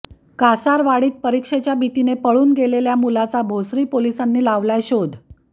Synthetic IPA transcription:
kasaɾʋaɽiːt̪̚pəɾikʂet͡ɕjabʱit̪inepəɭuːnɡeleljamulat͡sabʱosɾiːpolisanːiːlaʋlajɕod̪ʱ

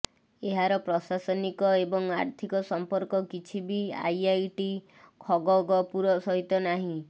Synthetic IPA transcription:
eɦaɾɔpɾɔsasɔnikɔebɔŋaɾt̪ʰikɔsɔmpɔɾkɔkit͡ʃʰibia̰jajʈi | kʰɔɡɔɡɔpuɾɔsɔɦit̪ɔnaɦĩ

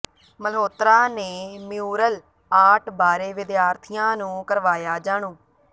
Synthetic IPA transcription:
məlɦoːt̪ɾaːneːmijuːɾəl | aːʈʰbaːɾeːʋɪd̪jaːɾt̪ʰijãːnũːkəɾʋaːjaːd͡ʒaːɳõː

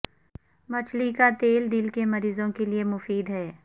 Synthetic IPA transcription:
mɐt͡ʃʰlikat̪eːld̪ilkemɐɾiːzõkeliemʊfiːd̪ɦɛː

